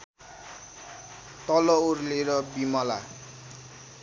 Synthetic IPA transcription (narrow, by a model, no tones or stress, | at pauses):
t̪ʌlʌorleɾʌbimʌla